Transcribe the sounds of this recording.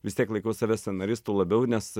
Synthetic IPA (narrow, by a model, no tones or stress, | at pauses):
ʋʲɪst̪ʲiɛklˠɐɪkɐʊsɑʋʲæsʲɛnɐɾʲɪst̪uːlˠɐbʲɛʊnʲɛs